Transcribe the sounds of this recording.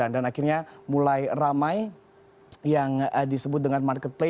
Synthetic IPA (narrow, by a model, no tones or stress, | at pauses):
andanakɪrɲamulajramaj | jaŋədisəbʊt̪̚dəŋanmarkət̪̚ple